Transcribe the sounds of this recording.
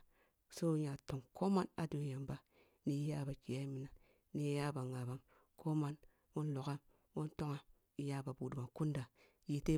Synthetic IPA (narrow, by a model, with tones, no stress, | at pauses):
so˦ja˨to˨ŋkʰo˦ma˦na˨do˨ja˨mba˦ | ni˨jja˦˨ba˨ki˨ja˦i˦mi˨na˨ | ni˨˦je˦ja˦ba˨ŋa˨ba˦m | kʰo˦ma˦n | wo˦nlo˨ka˦m | wo˦nto˦ŋa˨ | i˨ja˦ba˨bu˨du˨ma˨ku˦nda˨ | ji˨te˦